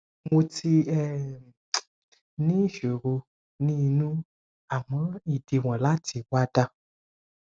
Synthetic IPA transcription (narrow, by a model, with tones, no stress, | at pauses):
mõ˧ti˧ɛ˦ | nĩ˦ʒe˨ɾo˧ | nĩ˦˨nũ˦ | a˨mɔ̃˨˦i˨di˨w̃ɔ̃˨la˦tʰi˨wa˦da˦